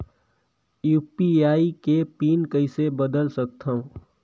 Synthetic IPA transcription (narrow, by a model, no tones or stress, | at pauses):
juːpiaːikepiːnkəɪsebəd̪əlsək̚t̪ʰaɦũ